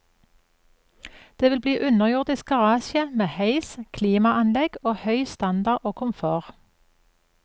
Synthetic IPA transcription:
d̪̥eːʋɪlbliːʔʉnəʁjʊʁd̪ɪsɡ̥ɑʁɑːʃɪəmeːhœɪskʰliːmɑʔɑnlɛɡoːhœʏst̪ɑnd̪ɑʁʔoːkʰʊmfoːʁ

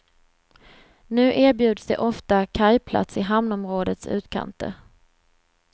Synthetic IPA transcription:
nʉ̟ːʔeːɾbjʉ̟ːd̪sd̪ɛ̰ʔɔft̪akʰajpʰla̰t̪sɪɦamnɔmɾoːd̪ət̪sʉ̟̰ːt̪kʰa̰nt̪ə̰

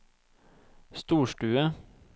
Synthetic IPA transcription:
st̪uːʃʈʉːə

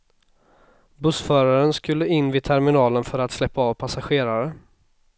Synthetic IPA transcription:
bɵsfœːɾaɾənskɵlːəɪnːvɪd̪̚t̪ʰæɾmɪnɑːlənfœɾat̪slɛpːaɑːvpʰasaɧeːɾaɾə

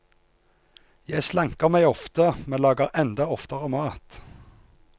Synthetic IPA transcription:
jæɪslæŋkəʁmæɪɔft̪əmeːlɑːɡəʁɛnd̪ɑɔft̪əʁəmɑːt̪

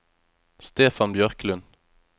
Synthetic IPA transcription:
st̪eːfɑnbjœʁklʉn

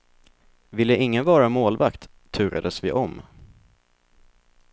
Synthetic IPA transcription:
vɪlːəɪŋːənvɑːɾamoːlvakt̪ʰːʉ̟ːɾa̰d̪əsvɪʔɔm

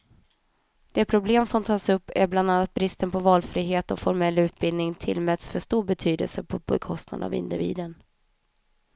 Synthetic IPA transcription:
d̪̥ɛpʰɾʊbleːmsɔmt̪ʰɑːsɵpːæɾbland̪anːat̪̚bɾɪst̪ənpʰɔvɑːlfɾiːɦeːt̪ɔfɔɾmɛlːʉ̟ːt̪̚bɪlnɪŋt̪ʰɪlːmɛt̪sfœʂt̪uːɾbɛt̪ʰyːd̪ə̰lsəpʰɔbɛkʰɔst̪na̰d̪a̰vɪ̰nd̪ɪvḭːd̪ən

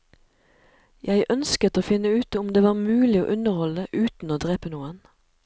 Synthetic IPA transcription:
jæɪʔœnskət̪oːfɪnəʉːt̪ʊmd̪eːʋɑːʁmʉːlɪo̰ːʔʉnəʁhɔləʔʉːt̪n̩oːd̪ʁeːpənuːən

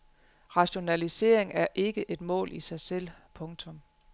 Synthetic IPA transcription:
ʁɑ̈ɕo̝nælise̝̰ɐ̰e̝ŋæɐʔe̝ɡ̥əʔe̝d̥mɔ̰̽ːlʔisɑ̈ɪsel̰pʰɔ̽ŋt͡sʰɔ̽m

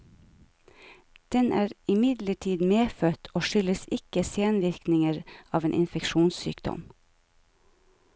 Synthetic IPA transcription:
d̪̥ɛnʔæːɾɪmɪd̪ləʈʰiːd̪meːfœt̪ʰoːʃʏləsɪkəseːnʋɪɾknɪŋəɾɑːʋeːnʔɪ̰nfɛkʃuːnssy̰ːkd̪ɔ̰m

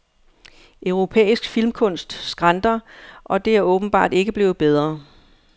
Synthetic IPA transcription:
ʔœʊʁo̝pʰḛːisɡ̥filmkʰɔ̽n̰sd̥sɡ̥ʁɑ̈nd̥ɐʔɒ̽d̥e̝æɐɔ̽ːb̥n̩b̥ɑ̰̈ːd̥e̝ɡ̥əb̥le̝ːð̩ˠb̥eð̞ˠʁɐ

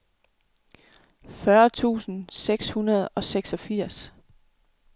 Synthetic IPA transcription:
fɶɐt͡sʰṵːsn̩seɡ̥shunɐð̞̩ˠɒ̽seɡ̥sɒ̽fiɐ̰s

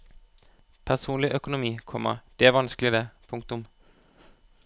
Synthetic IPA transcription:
pʰæsuːnlɪʔœkʊnʊmiːkʰɔmə̰d̪̥eæʋɑnskəlɪd̪əpʰʊŋkt̪ʊm

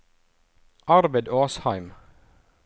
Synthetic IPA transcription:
ʔɑɾbəɪd̪oːshɑɪm

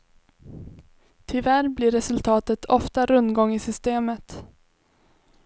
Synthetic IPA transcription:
t̪ʰɪvæɾblɪɾɛsɵlt̪ʰɑːt̪ət̪ʰɔft̪aɾɵnd̪ɡɔŋːɪsʏst̪eːmət̪

